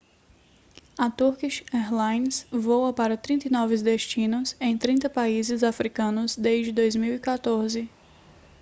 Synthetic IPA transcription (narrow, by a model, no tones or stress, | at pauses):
ɐt̪uɾkiʃɛɾlãjnsvowɐpaɾɐt̪ɾĩt̪ɐjnɔvɪzd̪eʃt͡ʃĩnʊzẽj̃t̪ɾĩnt̪ɐpaizɪzafɾikɐ̃nʊzd̪eʒd͡ʒɪd̪ojzmiwikat̪oɾzɪ